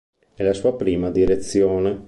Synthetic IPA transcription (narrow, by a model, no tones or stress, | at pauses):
nelasuːapɾiːmad̪iɾet̪sːjoːne